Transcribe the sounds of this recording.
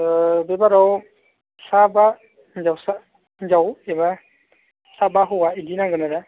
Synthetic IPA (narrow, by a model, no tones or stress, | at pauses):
bebaɾɔw | saba | d͡ʒawsa | d͡ʒaweba | sabaɦɔwaidinaɡɯnaɾa